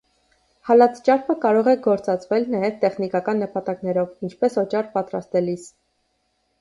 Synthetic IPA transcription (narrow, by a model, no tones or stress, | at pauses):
hɑlɑt͡sʰt͡ʃɑɾpʰəkɑɾɔʁɛɡɔɾt͡sɑt͡svɛlnɑjɛvt̪ɛχnikɑkɑnːəpɑt̪ɑknɛɾɔvint͡ʃʰpɛsɔt͡ʃɑrpɑt̪ɾɑst̪ɛlis